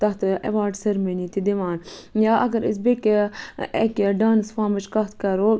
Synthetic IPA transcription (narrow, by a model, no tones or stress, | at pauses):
t̪ɐht̪ʔɐ̰ʋaːɖsɐɾmenit̪id̪iʋaːnjaːʔɐɡɐɾḭs̬bekeekːɖaːnsfaːmɐt͡ʃkɐt̪kɐɾoː